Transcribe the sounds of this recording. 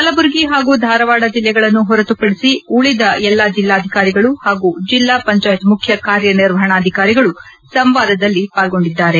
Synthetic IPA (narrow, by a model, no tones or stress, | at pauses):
kɐlɐbuɾɡiɦaːɡuːd̪ʱaːɾɐʋaːɽɐd͡ʒilːɛɡɐɭɐnːuɦɔɾɐt̪upɐɽisiuɭid̪ɐɛlːad͡ʒilːaːd̪ʱikaːɾiɡɐɭuhaːɡud͡ʒilːaːpɐɲt͡ʃaːjt̪mukʰjɐkaːɾjɐniɾʋɐɦɐɳaːd̪ʱikaːɾiɡɐɭu | sɐmʋaːd̪ɐd̪ɐlːipaːlɡo̞ɳɖid̪ːaːɾe